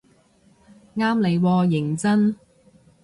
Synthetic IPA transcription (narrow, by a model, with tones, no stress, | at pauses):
ŋaː˥mle˨˧jwɔː˧jɪ˨˩ŋt͡sɐ˥n